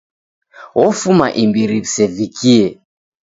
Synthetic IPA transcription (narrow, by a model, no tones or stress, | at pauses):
wɔfuma̰ʔimbiɾiβisɛvikiɛ